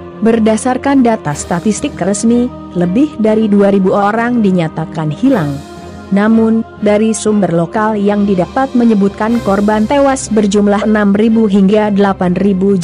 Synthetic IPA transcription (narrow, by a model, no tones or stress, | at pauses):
bərdasarkandat̪ast̪at̪ist̪ɪk̚rəsmi | ləbɪhdaɾiduaɾibuoɾaŋdiɲat̪akanhilaŋ | namʊn | daɾisumbərlokaljaŋdidapat̪̚məɲəbut̪̚kankɔrbant̪ewasbərd͡ʒumlahənamribuɦiŋɡadəlapanribud͡ʒ